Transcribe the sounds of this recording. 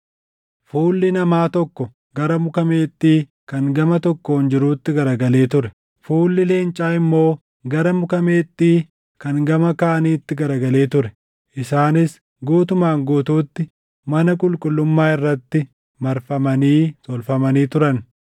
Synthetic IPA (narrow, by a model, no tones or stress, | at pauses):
fuːlːɪnɐmaːt̪ɔkːɔ | ɡ̥ɐɾɐmʊkɐme̞ːt̪ʼːiː | kɐŋɡɐmɐt̪ɔkːond͡ʒɪɾuːt̪ːɪɡɐɾɐɡɐle̞ːt̪ʊɾɛ | fuːlːɪle̞ːnt͡ʃʼaːɪmːo̞ː | ɡɐɾɐmʊkɐme̞ːt̪ʼːiː | kɐŋɡɐmɐkaːɐniːt̪ːɪɡɐɾɐɡɐle̞ːt̪ʊɾɛ̥ | ʔɪsaːnɪs | ɡuːt̪ʊmaːŋɡuːt̪uːt̪ːɪ | mɐnɐkʼʊlkʼʊlːʊmːaːɪrːɐt̪ːɪ | mɐɾfɐmɐniːt̪ɔlfɐmɐniːt̪ʊɾɐn